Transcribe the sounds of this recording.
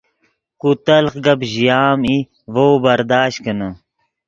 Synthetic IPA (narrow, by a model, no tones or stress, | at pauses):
kut̪ɐlxɡɐbʑijaːmi | vowbɐɾd̪aːɕt̪̚kənə